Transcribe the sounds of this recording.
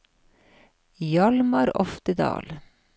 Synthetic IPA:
jɑlmɑɾɔ̰ft̪əd̪ɑ̰ːl

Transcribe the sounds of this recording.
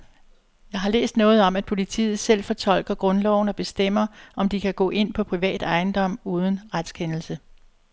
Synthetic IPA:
jɑ̈ɪɦɑ̈lḛːsd̥nɔ̽ːð̩ˠɒ̽mæd̥̚pʰo̝lit͡sʰḭːð̞̩ˠsel̰fɒ̽t͡sʰɒ̽l̰ɡ̥ɐɡ̥ʁɔ̽nlɒʊn̩ɒ̽b̥e̝sd̥em̰ɐʔɒ̽md̥ikʰæɡ̥ɔ̰ːʔe̝n̰pʰɒ̽pʰʁiʋɛ̰ːd̥ɑ̈ɪn̩d̥ɒ̽m̰uːð̞ˠən̩ʁad̥skʰenl̩sə

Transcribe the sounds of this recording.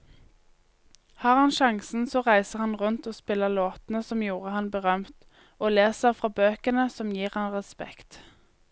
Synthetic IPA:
hɑːʁhɑnʃɑŋsn̩soːʁæɪsəʁhɑnʁʉnt̪oːspɪləloːt̪n̩əsɔmjuːʁəhɑnbəʁœmt̪ | oːleːsəʁfʁɑːbøːkənəsɔmjiːʁhɑnʁɛspɛ̰kt̪

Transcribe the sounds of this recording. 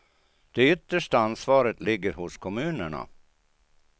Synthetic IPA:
d̪̥ɛʏt̪ːəʂʈaansvɑːɾət̪lɪɡːəɾhʊskʰɔmʉ̟ːnəɳa̰

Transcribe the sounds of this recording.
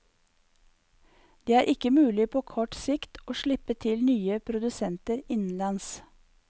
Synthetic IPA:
d̪̥eːæːɾʔɪkəmʉːlɪpʰoːkʰɔʈsɪkt̪oːʃɭɪpət̪ʰɪlnyːəpʰɾʊd̪ʉsɛnt̪əɾɪnn̩lɑns

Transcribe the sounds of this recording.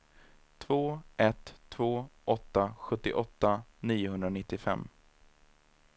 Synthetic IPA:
t̪ʰvoːɛt̪ʰːvoːʔɔt̪ːaɧɵt̪ːɪʔɔt̪ːaniːʊɦɵnd̪ɾanɪt̪ːɪfɛ̰mː

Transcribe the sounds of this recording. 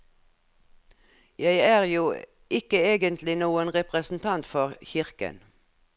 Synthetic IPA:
jæɪæːʁjuː | ɪkəeːɡənt̪ʰlɪnuːənʁɛpʁəsn̩t̪ʰɑnt̪fɔʁçɪʁkə̰n

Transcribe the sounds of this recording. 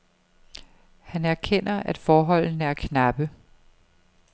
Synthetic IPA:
hænæɐkʰen̰ɐʔæd̥fɒːɦɒ̽l̰n̩æɐkʰnɑb̥ə

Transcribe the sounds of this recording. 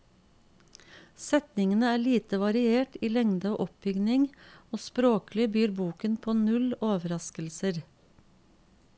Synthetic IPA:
sɛt̪nɪŋənəæːɭiːt̪əʋɑɾɪeːʈiːlɛŋd̪əoːʔɔp̚bʏɡnɪŋoːspɾoːklɪbyːɾbuːkənpʰoːnʉloːʋəɾɑskəlsəɾ

